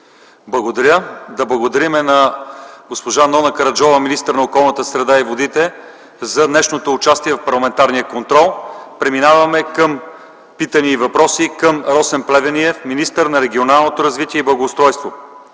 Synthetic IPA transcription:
blˠɐɡod̪ɐɾʲjəd̪ɐblˠɐɡod̪ɐɾimɛnɐɡospoʒanɔnɐkɐɾɐd͡ʒɔvəminist̪əɾnɐokɔlˠnət̪əsɾɛd̪aivod̪it̪ɛ | zɐd̪nɛʃnot̪oːt͡ʃast̪iɛvɐfpɐɾlˠɐmɛnt̪aɾnijəkont̪ɾɔlˠpɾɛminavɐmɛkəm | pit̪əniːvɐpɾɔsikəmɾɔsɛnplɛvʲɛniɛfminist̪əɾnɐɾɛɡʲionalˠnot̪oɾɐzvit̪iɛiblˠɐɡoːst̪ɾɔjst̪vo

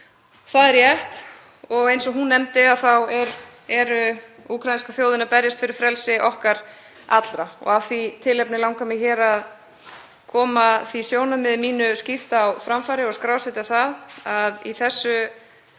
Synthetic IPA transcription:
θaðɛɾjɛht̪ | ɔɣejnsɔɣɦunːɛmt̪ɪaðθawɛɾ | ɛɾʏ | uːkʰɾajinskaθjoːwðɪnapɛɾjast̪fɪɾɪɾ̥fɾɛlsɪʔɔhkaɾ | a̰t̪lɾaɔ̰ɣavθvit̪ʰɪlɛjpnɪlawŋkamɪçɛːɾað | kʰɔːmaθvisjoːwnamɪðmiːnʏscɪft̪awfɾamfaːɾɪɔɣskɾaːwsɪt̪aθaðaðiθɛsːʏ

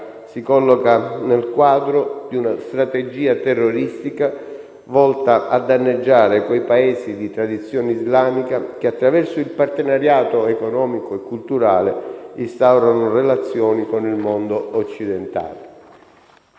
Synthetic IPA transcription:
sikɔlːɔkanelkwaːd̪ɾod̪iunast̪ɾat̪ed͡ʒiːat̪ɛrːoɾist̪ika | vɔlt̪aʔad̪ːanːed͡ʒːaːɾekwejpaeːzid̪it̪ɾad̪it̪sːjɔːneizlaːmikak̟eat̪ːɾavɛrsʊilpart̪enaɾjaːt̪oekonɔːmikoekːult̪uɾaːleist̪awɾanorelat̪sːjɔːnikonilmond̪oot͡ʃːid̪ent̪a̰ːle

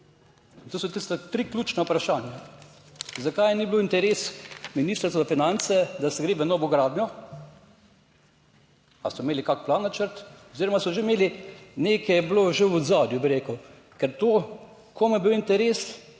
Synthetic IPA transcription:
t̪oːsɔt̪ist̪at̪ɾiklʲuːt͡ʃnɛupɾaʃaːnja | zakajnibloint̪ɛɾesminiːst̪əɾsozafinant̪sɛd̪asɛɡɾeːʋənɔːʋɔɡɾaːd̪nɲɔ | a̰sɔmeːlikakplanːat͡ʃəɾt̪ɔziɾɔmasɔʒemeːlineːkʰɛjɛbloʒewɔd̪zaːd̪jubiɾeːkəw | kɛɾt̪o | kʰomujɛbiwint̪ɛɾes

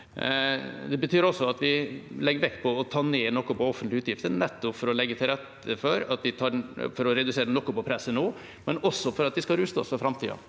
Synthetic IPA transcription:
d̪ɛbət̪ʰyːɾɔsːɔɑt̪ʋɪlɛɡːəɾʋɛkt̪pʰɔːt̪ʰɑːneːnɔkːʊpɔɔfənt̪lɪʉːt̪jɪft̪ənɛt̪ːɔpfɔɾɔlɛɡːət̪ʰɪlɾɛt̪ | əfɔɾɑt̪d̪ɪt̪ʰɑːfɔɾɔɾɛd̪ʉseːɾənɔkːʊpɔpʰɾɛsːənoː | mɛnɔsːɔfɔɾɑt̪̚d̪ɪskɑɾʉːst̪ɔ̰sfɔɾfɾɑmt̪ʰḭːɑ̰

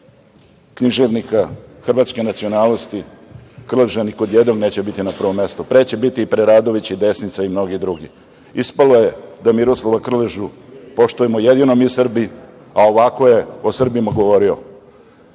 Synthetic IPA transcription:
kniʒeʋnikaxr̩ʋat̪ske̞nat̪sio̞naːlnost̪ikr̩leʒaniko̞d̪jed̪no̞ɡne̞ːt͡ɕe̞bit̪inapr̩ʋo̞mːe̞st̪opɾeːt͡ɕe̞bit̪ipɾeɾaːd̪o̞ʋit͡ɕid̪e̞snit̪saimno̞ɡid̪ɾuɡi | ispaloje̞d̪amiɾoslˠoʋakr̩leʒupo̞ʃt̪ujemojed̪inomiusr̩bi | ao̞ʋako̞je̞osr̩bimaɡo̞ʋo̞ɾio̰

